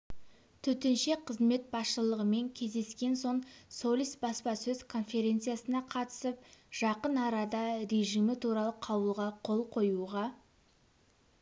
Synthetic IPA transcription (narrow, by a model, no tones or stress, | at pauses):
t̪ʰɵt̪enʃe̞qʰəzme̞t̪̚bɑsʃəlˠəʁəme̞ŋkʲʰe̞zd̪e̞skʲe̞nso̞ɴso̞lʲˠisbɑspɑsɵz̥kʰo̞nfe̞ɾʲe̞nt̪sɨjasənɑqʰɑt̪ə̥səp̚ʒ̥ɑqənɑɾɑd̪ɑɾe̞ʒimɪt̪ʰuɾɑlˠəqʰɑwəlˠʁɑqʰo̞lˠqʰo̞juʁɑ